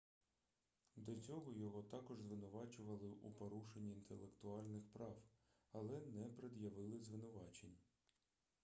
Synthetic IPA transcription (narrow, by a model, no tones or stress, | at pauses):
d̪ɐt͡sʲɔɦɔjɔɦɔt̪ɑkɔʒzʋɪnʊʋɑt͡ʃʊʋɐlˠɪʔupɔɾuʃenʲːiːnt̪elˠekt̪ʊɑlʲnɪxpɾɑw | ɐlˠɛnɛpɾed̪jɐʋɪlˠɪzʋɪnʊʋɑt͡ʃenʲ